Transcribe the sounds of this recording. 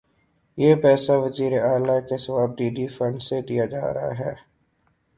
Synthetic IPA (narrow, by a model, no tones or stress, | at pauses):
jeːpɛːsaʋɐziːɾeaːlakesɐbaːb̚ɖiːɖifɐ̃ɳɖsed̪ijad͡ʒa̰ːɾɐɦa̰ɦɛː